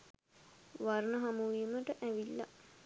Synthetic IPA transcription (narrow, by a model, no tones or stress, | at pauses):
ʋarnəɦamuʋiːməʈəʔæʋilːa̰